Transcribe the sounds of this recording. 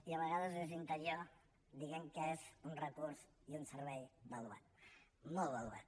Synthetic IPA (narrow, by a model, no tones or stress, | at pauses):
iəβəɣaðəzðezint̪əɾio | d̪iɣɛmkəezunrəkuɾz | iunsəɾβɛjbəlua̰t̪̚ | mɔlˠβəlua̰t̪̚